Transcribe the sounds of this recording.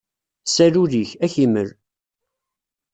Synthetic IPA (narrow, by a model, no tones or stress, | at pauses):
sæɾuðiçæçimə̰ɾ